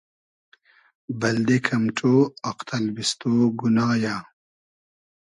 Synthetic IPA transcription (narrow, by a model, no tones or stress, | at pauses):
bɐld̪ekʰɐmʈ͡ʂoːɐqt̪ʰɐlbist̪oːɡunaːjaː